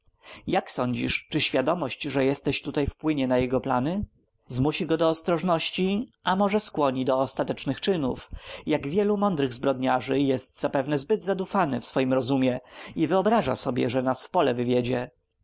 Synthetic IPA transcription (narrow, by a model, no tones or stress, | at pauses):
jaksɔɲd͡ʑḭʂt͡ʂɘɕfʲjad̪ɔmɔɕt͡ɕʐɛjɛst̪ɛɕt̪ut̪ajfpwɘɲɛnajɛɡɔplanɘ | zmuɕiɡɔd̪ɔːst̪ɾɔʐnɔɕt͡ɕiʔamɔʐɛskwɔɲid̪ɔːst̪at̪ɛt͡ʂnɘxt͡ʂɘnṵfjaɡvʲjɛlumɔnd̪ɾɘɣzbɾɔd̪ɲaʐɘjɛst̪z̥apɛvnɛzbɘd̪zad̪ufanɘfsfɔjimɾɔzumʲjɛivɘɔbɾaʐa̰sɔbʲjɛ̰ʐɛnasfpɔlɛvɘvʲjed͡ʑɛ